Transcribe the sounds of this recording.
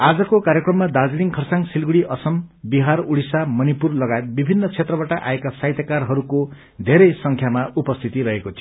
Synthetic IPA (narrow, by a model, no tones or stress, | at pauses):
ad͡zʌkokaɾjekrʌmːad̪ad͡ziliŋkʰʌrsaŋsilɡuɽiʔʌsʌmbiɦaruɽisamʌnipurlʌɡaet̪̚bibʱinːʌt͡sʰet̪rʌbaʈaʔa̰ekasaɦjt̪akarɦʌɾuko | d̪ʱeɾʌjsʌŋkʰjamaupʌst̪ʰit̪iɾʌɦekot͡sʰi